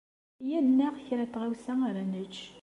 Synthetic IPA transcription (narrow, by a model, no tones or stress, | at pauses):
jænːæʁçɾæt̪ːʁæwsæaɾænət͡ʃː